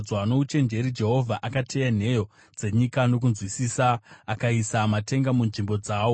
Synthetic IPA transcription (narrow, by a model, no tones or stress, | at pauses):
d͡zwaano̞ut͡ʃe̞nd͡ʒe̞ɾid͡ʒe̞ɦo̞vʱaʔakatʰean̤e̞jo̞ | d͡ze̞ɲikano̞k̬unzwisiːsaːkaisamate̞ŋɡamunʐimbo̞d͡zaːwo̞